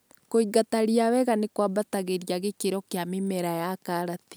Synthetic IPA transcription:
koiɡataɾiawɛɣanekwabataɣeɾjaɣekeɾɔkeamemɛɾajakaɾati̥

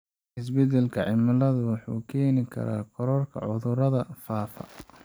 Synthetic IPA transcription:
ʔɪs̬bɛd̪ɛlkʰɐʕɪmɐlɐðʊwɑħuːkʰɛːnɪkʰɐ̰ɾa̰ːqʰɔɾɔrkʰɐ̰ʕʊðʊɾɐðɐfaːfɐ̰

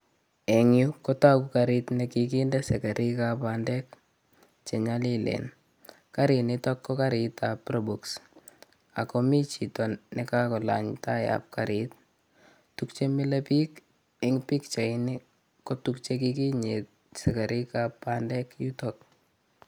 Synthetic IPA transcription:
ɛŋjukɔtakukaɾitnekik̬indɛsɛkaɾʔikapandɛk | t͡ʃɛɲalilɛ̰n | kaɾinɪtɔkːɔkaɾitaprobuks | a̰komit͡ʃitɔnnɛkakɔla̰ɲtaja̰p̚kaɾit̚ | tukt͡ʃemilepik | ɛŋpikt͡ʃaini | kotukt͡ʃek̬ikiɲet̚ | sɛkaɾʔikapːandɛkjutɔk̚

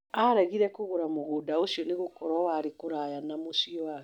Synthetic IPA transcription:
aɾaɣiɾɛkoɣoɾamoɣodaosiɔneɣokɔɾɔwaɾekoɾajanamosiɔwaɣɛ

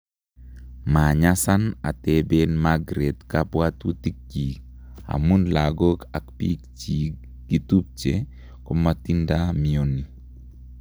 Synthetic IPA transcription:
maɲasanatebenmaɡɾetkapwat̪utik̚d͡ʒi | a̰munlaɡokakpikt͡ʃi | ɡ̥itup̚t͡ʃe | kɔmatindamioni

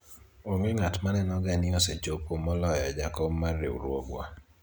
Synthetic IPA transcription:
oŋɡeŋatmanɛnɔɡanɪoset͡ʃopomɔlɔjɔd͡ʒakɔmːarːḛṵɾwo̰ɡwa̰

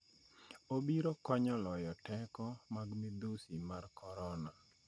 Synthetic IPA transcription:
obiɾɔkɔɲɔlɔjɔtɛkɔmaɡmed̪usimarkɔɾɔna

